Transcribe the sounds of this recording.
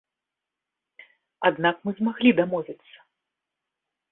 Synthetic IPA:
ad̪nakmɨzmaɣlʲid̪amɔvʲɛt̪sːɐ̥

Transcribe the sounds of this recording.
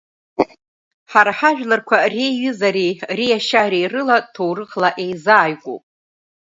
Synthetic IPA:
ħaɾaħaʒᶣlarkʷʰareɥʏzaɾirijaʃaɾejrɨlatʰowrɨqʼlaʔe̞jzaːjkʷʼo̰pʼ

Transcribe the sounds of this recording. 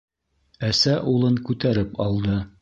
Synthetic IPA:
æsæʔulˠɤŋkʉt̪æɾɘpɑlˠd̪ɤ

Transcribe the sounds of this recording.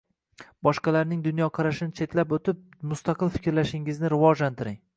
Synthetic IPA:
bɒʃqɑlaɾnɪŋd̪ʊn̪jɒqʰɑɾaʃɪnɪt͡ʃʰe̞t̪lapot̪ʰɪp̚mʊst̪ɑqɨlˠfɪ̥kʲɾlaʃɪŋɪznɪɾɪvɒd͡ʒlant̪ʰɪɾɪŋ

